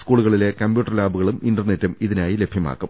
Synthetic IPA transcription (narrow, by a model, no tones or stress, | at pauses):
skuːɭuɣɐɭile̞kɐmbjuːʈːɐrlaːbuɣɐɭuminɖɐrne̞tːumiðinaːjile̞bʱjɐma̰ːkːum